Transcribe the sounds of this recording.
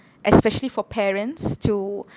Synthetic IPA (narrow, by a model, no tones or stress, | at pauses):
ʔɛspɛʃəlifɔpʰɛɹə̃ntstʰu